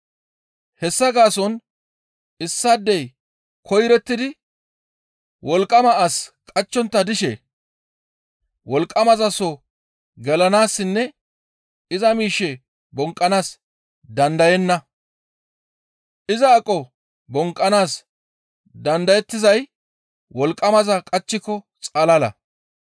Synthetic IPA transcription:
hɛsːɐɡaːsɔn | ɪsːad̪ːɛj | kʰɔjɾɛt̪ːɪd̪ɪ | wɔlkʼːɐmɐʔaskʼɐt͡ʃːɔnt̪ːɐd̪ɪʃɛ̰ | wɔlkʼːɐmɐzɐsɔ | ɡɛlɐnaːsːɪnːɛ | ɪzɐmiːʃːɛ | bɔŋkʼːɐnaːs | d̪ɐnd̪ɐjɛnːɐ | ʔɪzɐːkʼːɔ | bɔŋkʼːɐnaːs | d̪ɐnd̪ɐjɛt̪ːɪzɐj | wɔlkʼːɐmɐzɐkʼɐt͡ʃːɪkːɔ | t͡sʼɐlɐlɐ̰

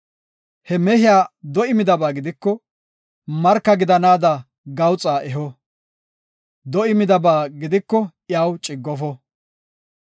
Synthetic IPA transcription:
hɛmɛhɪjaːd̪ɔɪmɪd̪ɐbaːɡɪd̪ɪkːɔ | mɐɾkːɐɡɪd̪ɐnaːd̪ɐ | ɡɐwt͡sʼaːʔɛɦɔ | d̪ɔɪmɪd̪ɐbaːɡɪd̪ɪkːɔ | jaːwt͡ʃʼɪɡːɔfɔ

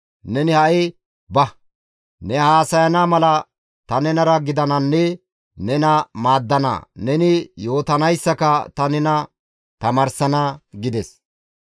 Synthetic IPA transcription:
nɛnɪhɐʔɪ | bɐ | nɛhaːsɐjɐnamɐlɐ | t̪ɐnɛnɐɾɐɡɪd̪ɐnɐnːɛ | nɛnɐmaːd̪ːɐna̰nɛnɪjo̞ːt̪ɐnɐjsːɐkɐt̪ɐnɛnɐ | t̪ɐmɐɾsɐnɐɡɪd̪ɛs

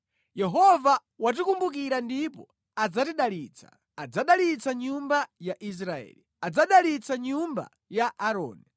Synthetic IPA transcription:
jɛɦɔva | wat̬ikumbukiɾandipɔ | ad͡zatiɗalit͡sʰḁ̰ | ad͡zaɗalit͡saɲumbajaʔis̬ɾaɛ̰ːli | ad͡zaɗalit͡saɲumba̰ | jaʔaɾɔ̰ːni

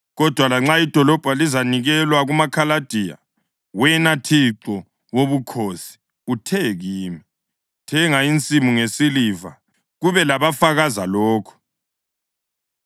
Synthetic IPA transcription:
ɣɔd̥ʱwalaŋ͡ǁaid̥ʱɔlɔb̥ʱalizaniɣɛlwaɣumakʰalad̥ʱija̰ | wɛnatʰiǁɔ | woβukʰosi̥ | utʰɛɣiːmi | tʰɛŋaint͡sʼimuŋesiliva̰ | ɣuβɛlaβafaɣazalɔːkʰɔ̥

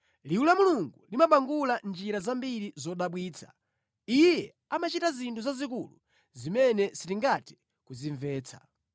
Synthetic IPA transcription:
liwulamuluŋɡulimaɓaŋɡuland͡ʒiɾazambiɾizɔɗaɓwiːt͡sʰḁ̰ | ijɛ | amat͡ʃitazintʰuzazik̬ulṵ | zimɛnɛsitiŋɡati̥ | kuziɱvɛːt͡sʰḁ̰

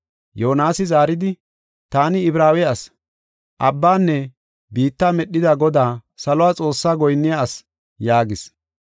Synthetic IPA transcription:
jo̞ːnaːsɪzaːɾɪd̪ɪ | t̪aːnɪɪbɾaːwɛɐs | ʔɐbːaːnːɛ | biːt̪ːaːmɛɗːɪd̪ɐɡɔd̪aːsɐlɔʊwaːt͡sʼo̞ːsːaːɡɔjnːɪjaɐs | jaːɡɪs

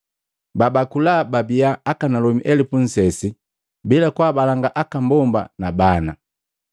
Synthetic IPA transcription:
babakulababiaːkanalɔmiʔɛlipun̩sɛsi | bilakwaːbalaŋɡaʔakambɔmba̰nabana̰

